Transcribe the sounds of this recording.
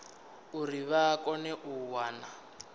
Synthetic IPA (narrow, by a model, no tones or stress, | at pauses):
uriβakʼɔnɛʔuwaːna